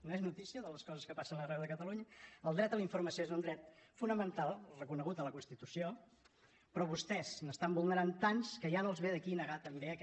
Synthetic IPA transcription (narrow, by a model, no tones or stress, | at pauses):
noeznut̪isiəðələskɔzəskəpasənərɛwðəkət̪əluɲəəlˠd̪ɾɛt̪̚ələiɱfuɾməsioezund̪ɾɛt̪funəmənt̪alˠrəkunəɣut̪ələkunst̪it̪usio | pɾɔβust̪ɛznəst̪ambulˠnəɾant̪anskəjanəlˠzβeðəkinəɣat̪əmbeək